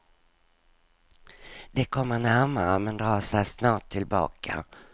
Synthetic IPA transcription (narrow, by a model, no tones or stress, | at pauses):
d̪̥ɛkʰɔmːənæɾmaɾəmɛnd̪ɾɑːsɛjsnɑːʈt̪ʰːɪlbɑ̰ːkʰa̰